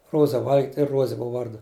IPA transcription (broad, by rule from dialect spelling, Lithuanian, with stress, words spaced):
ˈruɔzɐ ˈʋɐlʲɡʲɪtʲ ɪ ˈruɔzʲɛ ˈbʊʋɐ ˈʋɐrdʊ